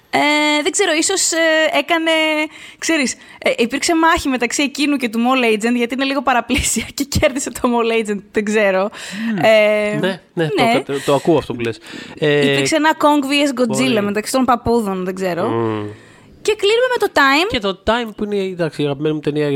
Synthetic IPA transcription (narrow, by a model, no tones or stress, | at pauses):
eðeɡze̞ɾo̞iso̞see̞kɐne̞kse̞ɾis | ʔipiɾkse̞mɐçime̞t̪ɐksiecinuce̞t̪umolejd͡zend̪ʝɐt̪iine̞liɣo̞pɐɾɐplisiɐce̞ce̞ɾðiset̪ʰo̞molejd͡zend̪̚ðeɡze̞ɾo̞enenenet̪oɐkuoɐft̪opuleseiɾkseenɐko̞ŋɡviezɡo̞d͡zilɐme̞t̪ɐksi̥t̪o̞mpɐpuðo̞nðeɡze̞ɾo̞ | ce̞klinume̞me̞t̪o̞t̪ɐjmet̪ot̪ɐjmpuined̪ɐksiɐɣɐpimenimut̪eniɐ